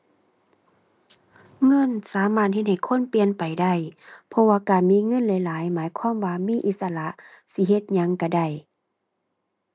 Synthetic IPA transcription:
ŋɤ˧˥˨nsaː˨˦maː˧˩t̪̚he˧t̪̚ha˨˩jkʰo˧˥˨npi˧ənpa˨˩jda˧˩˨jpʰɔ˧waː˧kaː˨˩nmiː˧˥˨ŋɤ˧˥˨nlɛ˨˧˥jlaː˨˦jmaː˨˦jkʰwaː˧˥˨mwaː˧miː˧˥˨ʔi˧t̪̚sa˧la˧˦ʔ | si˧ɦe˧t̪̚ɲa˧˥ŋka˧˩da˧˩j

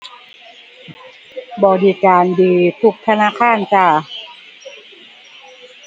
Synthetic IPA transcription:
bɔː˧diː˧kaː˧ndiː˨˧t̪ʰu˧˩k̚t̪ʰa˧naː˧˥˨kʰaː˧˥˩nt͡ɕa˧˩

